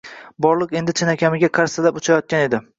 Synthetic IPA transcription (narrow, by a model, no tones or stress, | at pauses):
bɒɾlˠɨqe̞nd̪ɪt͡ʃʰɪnakʲʰamɪɡʲaqʰaɾsɪlapʊt͡ʃʰajɒt̪̚kʲane̞d̪ɪ